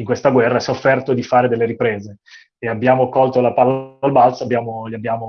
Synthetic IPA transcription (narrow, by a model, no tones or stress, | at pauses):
iŋkwest̪aɡwɛrːasiɔfːɛrt̪od̪ifaːɾed̪elːeɾipɾeːzeː | abːjaːmokɔlt̪olapalːaalbalt̪soabːjaːmoliabːjaːmo